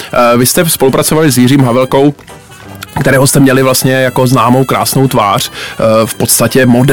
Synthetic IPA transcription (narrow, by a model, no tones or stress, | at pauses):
vɪst̪ɛspo̞lupɾat͡sovalɪs̬jɪriːmɦavɛlko̞w | kt̪ɛɾɛːɦost̪ɛmɲɛlɪvlast̪ɲɛjako̞znaːmo̞wkɾa̰ːsno̞wt̪vaːr̝̥fpo̞t̪st̪acɛmod